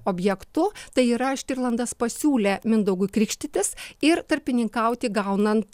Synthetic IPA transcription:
oːbʲjɛkt̪ʊt̪ɐɪiːɾɐʃʲt̪ʲɪrlˠɐnd̪ɐspɐsʲuːlʲemʲɪnd̪ɐʊɡʊkɾʲɪkʃʲt̪ʲɪt̪ʲɪsɪɾt̪ɐɾʲpʲɪnʲɪŋkɐʊt̪ʲɪɡɐʊnɐnt̪

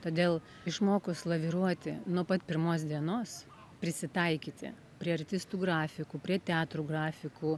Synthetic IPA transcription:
t̪oːd̪ʲeːlˠ | ɪʃmoːkʊslˠɐʋʲɪɾuɔt̪ʲɪ̰nuɔpɐt̪pʲɪɾmoːsd̪ʲiɛnoːs | pʲɾʲɪsʲɪt̪ɐɪkʲiːt̪ʲɪ̰ | pʲɾʲiɛɐɾʲt̪ʲɪst̪uːɡɾɑːfʲɪkuːpʲɾʲiɛt̪ʲɑːt̪ɾuːɡɾɑːfʲɪkuː

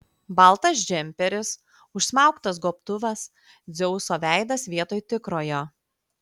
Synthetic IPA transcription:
bɐlˠt̪ɐs̬d͡ʒʲɛmʲpʲɛɾʲɪs | ʊʃsmɑˑʊkt̪ɐs̬ɡoːpt̪ʊʋɐs | d̪zʲɛʊsoːʋʲæˑɪd̪ɐsʋʲiɛt̪oːjt̪ʲɪkɾoːjoː

